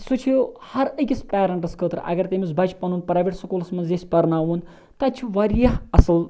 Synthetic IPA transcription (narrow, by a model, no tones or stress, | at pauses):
sut͡ʃʰijohɐɾəkʲispɛːɾɐɳʈɨskʰəːt̪ɾʔɐ̰ɡɐɾt̪emisbɐt͡ʃʰpɐnuːnpɾaːʋeʈsɐkulsmɐzesʲpɐɾnaːʋun | t̪ɐt͡ʃʰuʋɐɾjɐɦɐsɐl